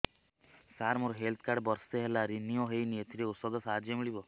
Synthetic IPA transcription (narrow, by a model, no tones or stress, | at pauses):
saɾmoɾɦelt̪ʰkaɾɖbɔɾseɦelaɾinioɦejniet̪ʰiɾeusɔd̪ɔsaɦad͡ʒjɔmiɭibɔ